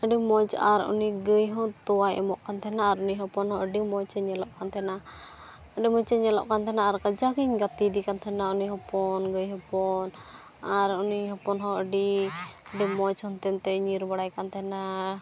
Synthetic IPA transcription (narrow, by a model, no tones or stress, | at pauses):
əɖimɔt͡ʃaɾṵniɡəjɦɔ̃t̪ɔwajʔɛ̰mɔʔkant̪ʰɛnaːɾuniɦɔpɔnɦɔ̃ʔəɖimɔt͡ʃəɲɛlɔʔkant̪ʰɛna | əɖimɔt͡ʃəɲɛlɔ̰ʔkant̪ʰɛnaːɾkəd͡ʒakəɲɡat̪id̪ikant̪ʰɛnauniɦɔpɔnɡəjɦɔpɔn | aɾuniɦɔpɔnɦɔ̃əɖiəɖimɔt͡ʃhɔnt̪ɛnt̪ɛɲiɾbaɽajkant̪ʰɛna